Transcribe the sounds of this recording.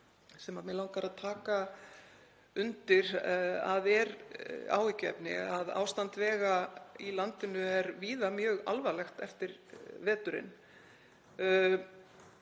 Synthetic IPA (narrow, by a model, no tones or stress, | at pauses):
sɛmamɛlawŋkaɾaðt̪ʰaːka | ʏnt̪ɪɾ̥aðɛɾa̰ːwɪcɛ̰pnɪ̰aða̰ːwst̪ant̪vɛːɣailant̪ɪnʏɛɾviːðamjœːɣa̰lvalɛxt̪ɛft̪ɪɾvɛːt̪ʏɾɪ̰n